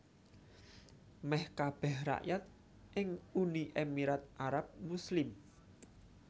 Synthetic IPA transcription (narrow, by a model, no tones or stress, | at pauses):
mɛhkab̥ɛhra̰ʔjat̪̚ | ʔɪŋuniʔemiɾat̪̚ʔaɾap̚muslɪm